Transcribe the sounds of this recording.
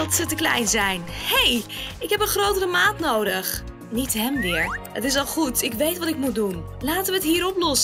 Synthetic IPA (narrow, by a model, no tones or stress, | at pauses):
ɑtsətəklɛ̰jnzɛjnhejɪkɦɛpənχrowtərəmaːtnowdəχ | nitɦɛmʋɪːɹə̰tɪs̬ɑlˠχutɪkʋejtʋɑtɪkmut̚dun | laːtəʋəətɦiːɾɔplɔsə